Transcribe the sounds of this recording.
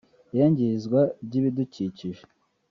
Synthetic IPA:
jaɲɟizɡwabɟiːβiduciciʒe̥

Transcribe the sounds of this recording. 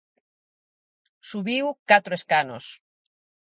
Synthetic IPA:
suβiwkat̪ɾoeskano̰s

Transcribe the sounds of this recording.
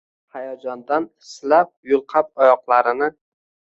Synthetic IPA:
hajɒd͡ʒɒnd̪anɪslap̚jʊlˠqʰɑp̚ɒjɒqlˠaɾɪnɪ

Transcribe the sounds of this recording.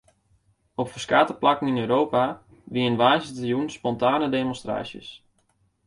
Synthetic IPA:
ɔpfəskaːtəplakəŋ̩inøɥɾowpa | ʋiənʋaːzətəjunspɔntaːnədemonstra̰ːsjə̰s

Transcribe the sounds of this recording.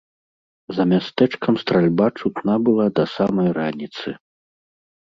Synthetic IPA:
zɐmʲast̪ɛt͡ʂkɐmst̪ɾalʲbat͡ʂut̪nabɨlˠad̪ɐsamɐjranʲit̪sɨ

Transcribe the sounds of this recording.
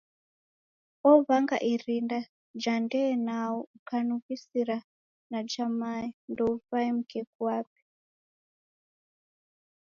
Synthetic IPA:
ɔvaŋɡa̰ʔirinda | d͡ʒandɛːnaoukanukisiɾa | nat͡ʃamaindoufaimukʰɛkuwaːp̚i̥

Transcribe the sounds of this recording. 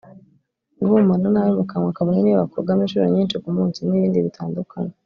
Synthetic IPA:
ŋɡumananajomukaŋwakaβaniniβakoɡamiːʃuːɾo̰ɲiːnʃikumuːnsiniβiːndiβitʰaːndukʰana

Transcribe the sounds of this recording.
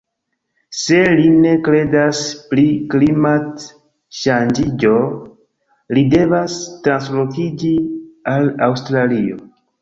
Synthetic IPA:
se̞line̞kɾe̞daspɾiklimat | ʃand͡ʒid͡ʒo̞ | lide̞vastɾanslokid͡ʒialawstɾalio̞

